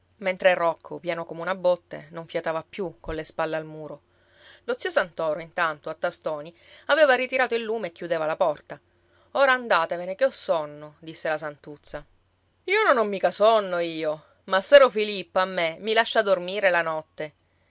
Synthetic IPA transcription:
ment̪ɾerɔkʰːopjaːnokomeunabːot̪ːḛnoɱfjat̪aːvapːjukonlespalːealmuːɾo | lot̪siːosant̪ɔːɾoint̪ant̪oat̪ːast̪ɔːni | aveːvarit̪iɾaːt̪oilːuːmeekːjud̪eːvalapɔrt̪a | oːɾaːnd̪aːt̪evenekeɔsːɔnːod̪isːelasant̪ut̪sːa | iːononːomːiːkasɔnːoiːo | masːɛɾofilipːoamːemilaʃːad̪ormiːɾelanɔt̪ːe

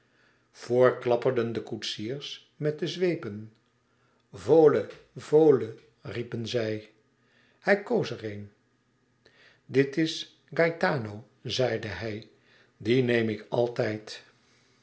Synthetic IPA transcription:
v̥ʊːɹklɑpəɹdəndəkutsiːɹs | mɛt̚dəzʋejpən | voːləvoːlə | ripənzɛj | hɛjkowsərejn | dɪtɪs | ɡɑjtaːnow | zɛjdəɦɛj | dinejmɪkɑ̰lˠtɛjt

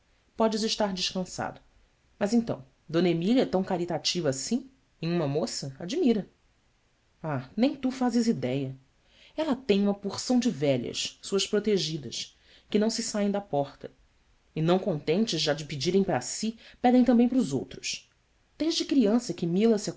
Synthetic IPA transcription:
pɔd͡ʒɪzɪʃt̪aɾd͡ʒɪʃkɐ̃sa̰d̪ʊ | mɐzẽnt̪ɐ̰̃w̃ | d̪õnɐemiʎiɐɛt̪ɐ̃w̃kaɾit̪at͡ʃivɐːsĩ | ẽj̃ũmɐmosɐad͡ʒimiɾɐ | anẽj̃t̪ufazɪzid̪ɛjɐ | ɛlɐt̪ẽj̃ũmɐpuχsɐ̃w̃d͡ʒɪvɛʎɐ̰ʃsuɐʃpɾot̪eʒid̪ɐʃ | kɪnɐ̃w̃sɪsaẽj̃d̪ɐpɔχt̪ɐ | ɪnɐ̃w̃kõnt̪ẽnt͡ʃɪzʒad͡ʒɪpɪd͡ʒiɾẽj̃paɾɐsipɛd̪ẽj̃t̪ɐ̃mbẽj̃pɾuzowt̪ɾʊs | d̪̥eʒd͡ʒɪkɾiɐ̃sɐkɪmilɐsa

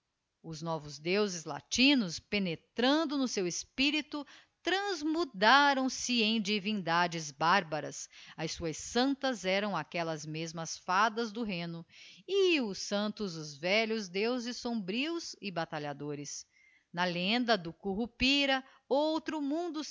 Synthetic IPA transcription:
ʊznɔvʊzd̪ewzɪzla̰t͡ʃĩnʊspenet̪ɾɐ̃nd̪ʊnʊsewespiɾit̪ʊ | t̪ɾɐ̃zmud̪aɾɐ̃w̃sɪẽj̃d͡ʒivĩnd̪ad͡ʒɪzbaɾbɐɾɐ̰sɐjsuɐsɐ̃nt̪ɐzɛɾɐ̃w̃akɛlɐzmezmɐsfad̪ɐzd̪ʊɦẽnʊɪʊsɐ̃nt̪ʊzʊzvɛʎʊzd̪ewzɪsːõmbɾiʊzɪbat̪aʎad̪oɾɪs | nɐlẽnd̪ɐd̪ʊkuɦupiɾɐ | owt̪ɾʊmũnd̪ʊ

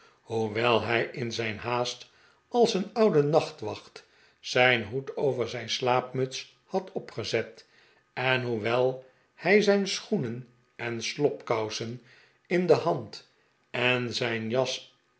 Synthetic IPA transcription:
huʋɛlˠɦɛjʔɪnzɛjnɦaːst | ɑlˠsənʌwdənɑχtʋɑχt | sɛjnɦutowvəɹzɛjnslaːpmɵts | hɑtɔpχəzɛt | ɛnɦuʋɛlˠ | hɛjzɛjnsχunən | ɛnslɔpkɑwsən | ɪndəhɑnt | ɛnzɛjnjɑs

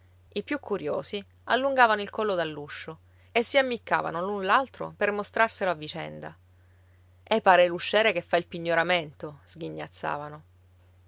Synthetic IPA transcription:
ipjukʰːuɾjoːsi | alːuŋɡaːvanoilkɔlːod̪alːuʃːo | esːiamːikːa̰ːva̰nolunlalt̪ɾo̰permost̪ɾarseloavːit͡ʃɛ̰nd̪a̰ | epːaːɾeluʃːɛːɾekefːailpiɲːoɾament̪oz̥ɡiɲːa̰t̪sːa̰ːvano

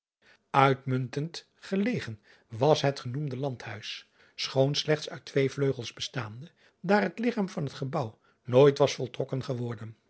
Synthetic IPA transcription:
œɥtmɵntənt | χəlejχən | ʋɑsɦətχənumdəlɑnthœɥs | sχownslɛχtsœɥtʋejvløɥχlˠzbəstaːndə | daːrɦətlɪχaːmvɑnɦətχəbʌw | noːjtʋɑsfɔlˠtrɔkənχəʋɔɹdən

